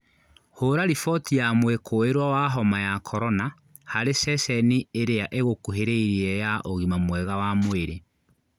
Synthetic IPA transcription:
hoɾaɾifɔtiamwekʰoeɾwawaɦɔmajakʰɔɾɔna | haɾesɛsɛnieɾeaʔeɣokuɦeɾeiɾiɛjaʔoɣimamwɛɣawamoeɾe

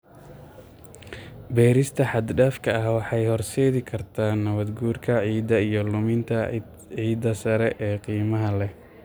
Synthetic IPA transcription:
bɛːɾɪst̪ʰɐħɑd̪ɖaːfkʰɐɐhwɑħɑjhɔrsɛːðɪkʰɐrt̪ʰaːnːɐβɐd̪ɡuːrkʰɐʕiːd̪ɐijɞlʊmɪnt̪ʰɐ | ʕiːd̪ɐsɐɾɛʔɛːqiːmɐɦɐlɛ

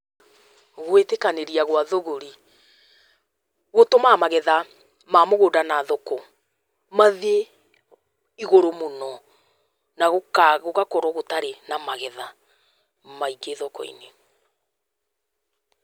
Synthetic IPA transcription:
ɣwetekaneɾiaɣwaðoɣoɾi | ɣotomamaɣɛða | mamoɣoːdanaðokɔ | maðe | iɣoɾomonɔ | naɣokaɣoɣakɔɾɔɣotaɾenamaɣɛða | maiɡeðɔkɔ̰ḭne

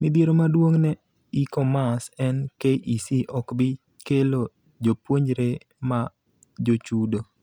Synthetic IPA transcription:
mɪd̪jeɾomadwoŋnɛ | ikɔmasɛnkeʔisiʔɔkbɪ | kelo | d͡ʒopwoɲd͡ʒɾe | ma | d͡ʒot͡ʃudo

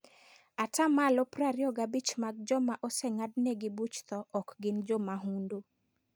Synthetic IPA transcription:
atamalɔpɾaɾjɔɡabit͡ʃmaɡ̚d͡ʒɔmaʔɔsɛŋadnɛɡɪbut͡ʃt̪ɔʔɔkɡɪnd͡ʒɔmaɦundu

